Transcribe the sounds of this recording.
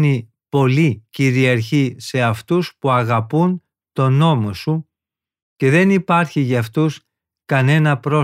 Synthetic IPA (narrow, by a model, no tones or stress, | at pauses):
ni | po̞liciɾiɐɾçise̞ɐft̪uspuɐɣɐpun | t̪o̞no̞mosu | ce̞ðe̞nipɐɾçiʝɐft̪us | kɐne̞nɐpɾo̞